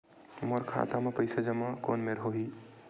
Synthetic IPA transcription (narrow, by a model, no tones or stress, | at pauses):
moɾkʰa̰ːt̪amepəɪsad͡ʒɐmakoːnmeɾɦoɦiː